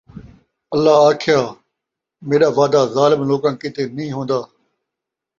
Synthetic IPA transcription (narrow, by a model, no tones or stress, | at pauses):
əlːaːaːkʰɪjaː | meːɗaːʋaːd̪aːzaːlɪmloːkãːkɪt̪eːnəĩːɦõːnd̪aː